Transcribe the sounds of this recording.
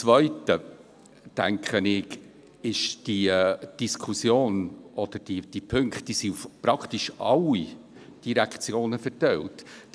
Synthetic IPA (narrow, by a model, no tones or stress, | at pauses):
t͡svœʏtə | tæ̰ŋkχənɪɡ | ɪʃd̥id̥iskʰusjoːnɔd̥̪əɾd̥id̥ipʰɵŋkχtːiːsiufpɾɑkʰtiʃɑ̰lːi | d̥iɾækt͡sjoːnəfɛɾtɛlt